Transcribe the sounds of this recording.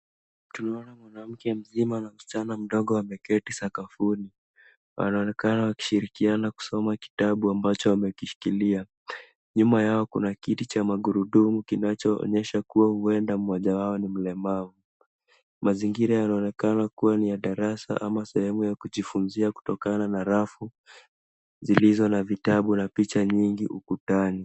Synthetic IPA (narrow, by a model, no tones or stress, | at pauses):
tunaɔnamwanam̩kɛm̩zimanaustanam̩ɗɔɠɔwamɛkɛtisakafuni | wa̰naɔnɛkanawaki̥ʃiɾikianaku̥sɔmaki̥taɓuambat͡ʃɔwamɛkiʃi̥kilia | ɲumajaɔkunakitit͡ʃamaɡuɾuɗumukinat͡ʃɔɔ̰ɲɛʃakuwahuɛndamɔʄawaɔnim̩lɛmavu | maziŋɡiɾajanaɔnɛkanakuwanijaɗaɾasa̰ʔamasɛhɛmujakuʄifunziaku̥tɔkananaɾafu | zilizɔnavitaɓunapit͡ʃaɲiŋɡiʔukutani